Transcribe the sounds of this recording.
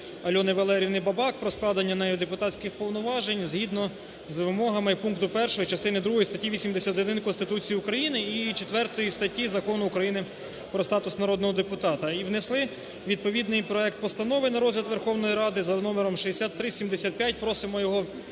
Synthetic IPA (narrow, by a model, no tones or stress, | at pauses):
ɐlʲɔnɪʋɐlˠɛɾʲiʋnɪbɐbɑkpɾɔsklˠɑd̪ɐnʲːɐnɛjɔd̪epʊt̪ɑtʲt͡sʲkɪxpɔwnɔʋɑʒenʲzɦid̪nɔ | zʋɪmɔɦɐmɪpunŋkt̪ʊpɛrʃɔjit͡ʃɐst̪ɪnɪd̪ɾuɦɔjist̪ɐtʲiʋʲisʲimd̪esʲat̪ɔd̪ɪnkɔnst̪ɪt̪ut͡sʲijiukɾɐjinɪit͡ʃet̪ʋɛrt̪ɔjist̪ɐtʲːizɐkɔnʊːkɾɐjinɪ | pɾɔst̪ɑt̪ʊsnɐɾɔd̪nɔɦɔd̪epʊt̪ɑt̪ɐiʋneslˠɪ | ʋʲid̪̚pɔʋʲid̪nɪjpɾɔɛk̚t̪̚pɔst̪ɐnɔʋɪnɐɾɔzʲlʲɐt̪ʋerxɔwnɔjiɾɑd̪ɪzɐnɔmeɾɔmʃiɦesʲat̪ːɾɪsʲimd̪esʲat̪̚pʲjat̚ʲpɾɔsɪmɔjɔɦɔ